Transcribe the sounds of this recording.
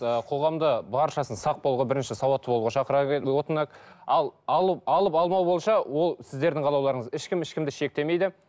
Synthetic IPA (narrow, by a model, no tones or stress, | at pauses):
əqʰo̞ʁɑmd̪əbɑɾʃɑsənsɑq̚bo̞lˠʁəbɪɾɪnʃɪsɑwɑt̪ːəbo̞lˠʁɑʃɑqəɾɑwo̞t̪ənɑkɑlˠɑlˠəp̚ɑlˠəpɑlˠmɑwbolˠʃɑwo̞lˠsɪzd̪e̞ɾd̪ɪŋqʰɑlˠɑwlˠɑɾəɴəzɪʃkʲɪmɪʃkʲɪmd̪ɪʃe̞k̚t̪e̞me̞jd̪ɪ